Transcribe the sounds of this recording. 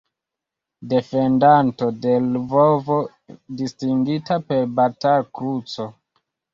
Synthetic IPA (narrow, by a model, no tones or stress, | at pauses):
de̞fe̞ndanto̞de̞lvovo̞ | distiŋɡitape̞ɾbatakɾut͡so̞